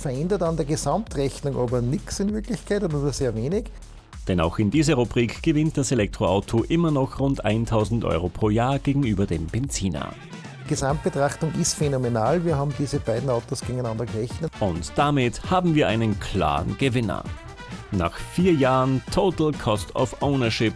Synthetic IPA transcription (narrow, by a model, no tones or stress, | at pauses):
fɐɛndɐtandeːɐɡesamtʁɛçnʊŋʔa̰ːbɐnɪksɪnvɪɐklɪçkʰaɪtʊndaːbɐseːɐveːnɪk | d̥ɛna̰ʊxɪndiːzɐʁubʁiːkɡ̥əvɪnt̚d̥aselɛk̚tʁ̥oaʊtʰoʔɪmɐnɔxʁʊntʔa̰ɪntʰaʊzn̩tʔɔ̰ʏʁopʰʁ̥oːɐjaːɐɡ̥eːɡŋ̩yːbɐdeːmb̥ɛnt͡siːna̰ | d̥iɡ̥ezamt̚b̥etʁ̥aχtʊŋʔɪstfenomenaːlviːɐhaːbm̩d̥iːzəbaɪdn̩aʊtosɡ̥eɡŋ̩æɪnandɐɡəʁɛçnəʔʊntd̥amɪthaːbm̩viːɐʔa̰ɪnənkʰl̥a̰ːʁənɡ̥əvɪnɐ̰ | na̰ːχfiːɐjaːʁəntʰoːtl̩kʰɔstʰɔ̰fʔoʊnɐʃɪp